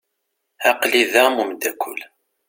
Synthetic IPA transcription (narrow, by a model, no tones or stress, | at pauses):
æqliðæmumd̪ækʷʰːʊ̰l